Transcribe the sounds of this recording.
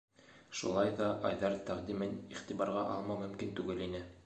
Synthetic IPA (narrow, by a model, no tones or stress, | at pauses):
ʃṵlˠɑjðɑʔɑjðɑɾt̪æqd̪imɘniχt̪ibɑɾʁɑʔɑ̰lˠmɑmɵ̆mkint̪ʉɡɘlinɘ